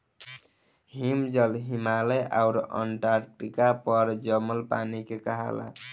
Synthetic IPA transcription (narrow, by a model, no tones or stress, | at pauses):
ɦimd͡ʒəlɦimaleʔawɾə̰ɳʈaɾʈikapəɾd͡ʒəməlpa̰nikekəɦa̰la̰